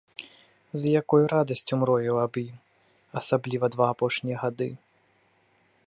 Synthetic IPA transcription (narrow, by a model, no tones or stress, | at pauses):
zjakɔjuɾad̪ɐsʲt͡sʲumɾɔjuwabi | ɐsablʲivɐd̪vaːpɔʂnʲijɐɣad̪ɨ